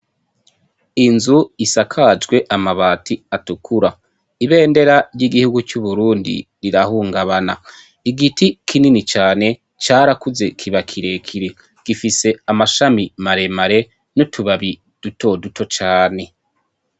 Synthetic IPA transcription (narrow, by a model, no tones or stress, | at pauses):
inzuisakʰad͡ʒɡwe̞ʔamaβaːtiatukʰuɾa | iβe̞ːnde̞ɾaɾjiɡihuɡut͡ʃuβuɾuːndḭɾiɾahuːŋɡaβana | iɡitikʰininit͡ʃaːne̞ | t͡ʃaːɾakuze̞kʰiβakʰiɾe̞kʰiɾe | ɡ̥ifise̞amaʃamimaɾe̞maɾe̞ | nutʰuβaβi | d̥uto̞duto̞t͡ʃaːne̞